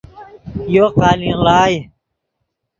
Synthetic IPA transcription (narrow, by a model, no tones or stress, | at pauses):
joːqaːlĩlaːj